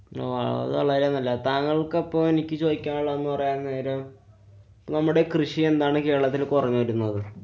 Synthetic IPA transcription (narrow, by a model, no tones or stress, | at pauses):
o̰ːɐ̰ɭ̰ðɨʋɐɭɐiɾenːɐlːɐt̪aːŋːɐɭkɐpːoːme̞nikʲːɨt͡ɕo̞ːðikʲːaːŋɐɭːɐenːɨpɐrɐjaːnːeːɾom | pːnɐmːuɽe̞krɨɕie̞nd̪aːɳɨke̞ːɾɭɐt̪ːilkorɐɲːuʋɐɾunːuðɨ